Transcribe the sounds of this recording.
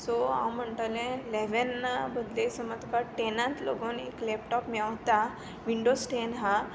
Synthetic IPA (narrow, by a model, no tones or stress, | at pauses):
soã̰wm̤əɳt̪alẽleʋənbəd̪lesəməd̪ʱkaʈenãnt̪lo̰ɡonḛklɛpʈɔpmɛwt̪a | ʋiɳɖosʈenɦã